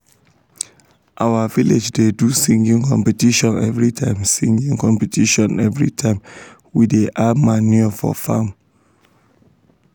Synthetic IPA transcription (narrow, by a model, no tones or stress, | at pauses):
ʔawaviled͡ʒdedusĩŋɡĩŋkʰɔ̰̃mpɛtiʃɔ̃nɛvɹitʰãɪ̃msĩŋɡĩŋkɔ̃mpɛtʰiʃɔ̃nɛvɹḭtʰãɪm | wideʔamaniɔfɔ̰fã̰n